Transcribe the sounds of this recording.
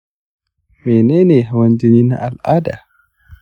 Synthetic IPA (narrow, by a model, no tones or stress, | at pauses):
mɛnɛnɛhawaɲd͡ʒonina̰ʔalada̰